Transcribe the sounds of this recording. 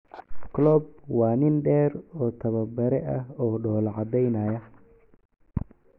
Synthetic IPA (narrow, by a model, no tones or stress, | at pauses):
kʰlɔːb̚wɑːnɪnɖɛːɾɔːt̪ʰɐβɐbɐɾɛʔɐɦɔːɖɔːlʕɑd̪ɛjnaːjɐ